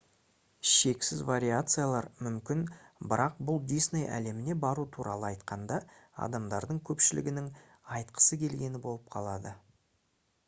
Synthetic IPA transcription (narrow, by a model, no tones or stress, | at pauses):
ʃe̞ksɪzvaɾʲijat̪sɨjalˠɑɾmʏmkʲɪnbɪɾʔɑq̚bʊlˠd̪isne̞jʔæ̰le̞mɪne̞bɑɾut̪ʰuɾɑlˠəɑjt̪qʰɑnd̪ɑɑ̰d̪ɑmd̪ɑɾd̪əɴkʲʰɵpʃɪlɪ̰ɡʲɪnɪŋ | ɑjt̪qʰə̥səkʲʰe̞lɡʲe̞nɪbo̞lˠəp̚qʰɑ̰lˠɑd̪ə